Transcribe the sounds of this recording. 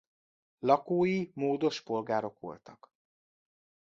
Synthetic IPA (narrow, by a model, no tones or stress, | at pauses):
lɒkoːjimoːd̪o̞ʃpo̞lɡaːɾo̞kʋo̞̰lt̪ɒk